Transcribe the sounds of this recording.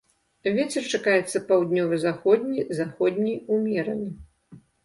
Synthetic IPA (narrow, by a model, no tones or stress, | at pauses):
vʲet͡sʲɛrt͡ʂakajɛt̪sːɐpawd̪ʲnʲɔvɨzaxɔd̪ʲnʲizaxɔd̪ʲnʲijumʲɛɾɐnʲi